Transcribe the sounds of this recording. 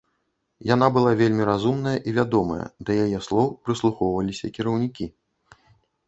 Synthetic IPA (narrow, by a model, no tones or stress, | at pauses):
jan̪abɨlˠavʲelʲmʲiɾazumnɐjɐʔivʲad̪ɔmɐ̰jɐ̰d̪ɐjajɛslˠɔwpɾɨslˠuxɔwvɐlʲisʲɐkʲiɾɐwnʲikʲi